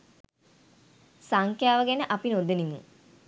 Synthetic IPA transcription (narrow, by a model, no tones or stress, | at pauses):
saŋkjaːʋəɡenəʔapinod̪enimu